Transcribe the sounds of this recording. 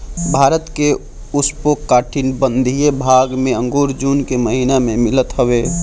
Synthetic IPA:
bʱaːɾət̪ke | uspokːaːʈʰinbənd̪ʱijebʱaɡmẽə̃ŋɡoːɾd͡ʒuːnkeməɦinamẽmɪlət̪ɦəwe

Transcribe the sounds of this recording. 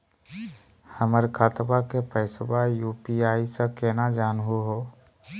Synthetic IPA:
həməɾkʰat̪bakepʰəɪsbajupiaːisə̃kenad͡ʒaːnɦuɦo

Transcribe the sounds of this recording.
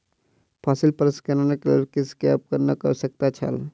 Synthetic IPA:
pʰaːsɪlpɐɾəskɐɾaneklaɾkɪskap̚kəɾnakəɾsɐk̚t̪at͡ʃʰa̰l

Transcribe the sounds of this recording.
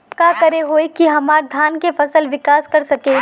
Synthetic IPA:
kakɐɾeɦoːekiɦɐmaːɾd̪ʱaːnkefɐsəlʋɪkaːskɐɾsɐke

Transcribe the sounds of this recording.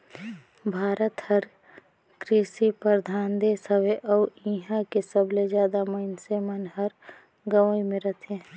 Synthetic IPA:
bʱaːɾət̪həɾ | kɾiʃipəɾd̪ʱaːnd̪eːsəʋeʔɔːĩːɦakesəbled͡ʒjaːd̪aməɪnsemənɦəɾ | ɡəʋəimẽɾət̪ʰe

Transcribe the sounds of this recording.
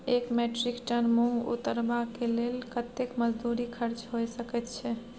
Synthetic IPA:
ekmeʈɾikʈənmũṵt̪əɾbakelelkət̪ekməd͡ʒd̪uɾikʰəɾt͡ʃɦojsəkɛt̪t͡ʃʰɛ

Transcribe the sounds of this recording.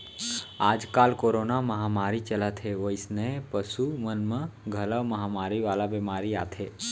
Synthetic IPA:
aːd͡ʒkaːlkoːɾoːnamɐɦaːmaːɾit͡ʃəlat̪ʰɦeʋoɪsnəpəsumənmə̃ɡʱɐləʋmɐɦamaːɾiʋaːlabemaːɾia̰ːt̪ʰeː

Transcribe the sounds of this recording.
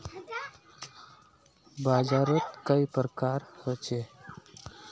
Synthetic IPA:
baːzaɾət̪kəipɾəkaɾhət͡ʃe

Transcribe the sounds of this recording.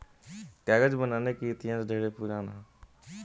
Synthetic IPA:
kaːɡəd͡ʒbənaːneːkit̪ɪjãːsɖʱeːɽeːpuːɾaːnaː

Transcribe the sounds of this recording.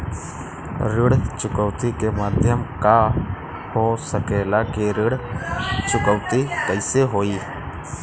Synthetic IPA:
ɾɪɽt͡ʃʊkəʋt̪ikemaːd̪ʱjəmka | hosəkeːlakeɾɪɽt͡ʃʊkəʋt̪ikəɪseɦoːiː

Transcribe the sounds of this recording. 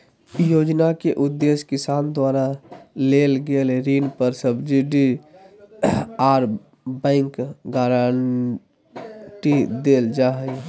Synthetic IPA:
joːd͡ʒnakeʔʊd̪ːeskɪsaːnd̪waːɾaleːlɡelɾiːnpəɾsəbd͡ʒiɖi | aːɾ | bɛ̃ŋkɡaːɾaɳ | ʈid̪eːld͡ʒaːɦə

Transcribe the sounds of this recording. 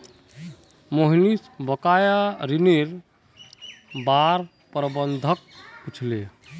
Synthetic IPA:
moɦnisbʱəkajaɾineɾ | baɾ | pɾəbənd̪ʱək̚put͡ʃʰle

